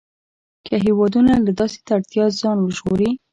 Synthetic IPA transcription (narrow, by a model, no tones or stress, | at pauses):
kʰəɦewɑd̪unalad̪ɑse̥t̪aɽt̪jɑzɑnwəʒɣoɾi